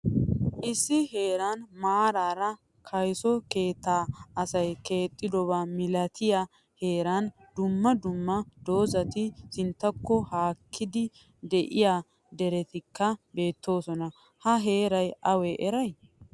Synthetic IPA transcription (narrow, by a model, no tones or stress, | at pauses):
ʔɪsːɪhe̞ːɾɐnmaːɾaːɾɐ | kʰɐjsɔke̞ːt̪ːaːɐsɐjke̞ːt̪ʼːɪd̪ɔβamɪlɐt̪ʰɪjɐ | he̞ːɾɐn | d̪ʊmːɐd̪ʊmːɐd̪̥o̞ːzɐt̪ɪsɪnt̪ːɐkːɔhaːkʰːɪd̪ɪ | d̪ɛʔɪjaː | d̪ɛɾɛt̪ɪkːɐbe̞ːt̪ʰːo̞ːsɔnɐ | hɐɦe̞ːɾɐjɐwɛʔɛɾɐj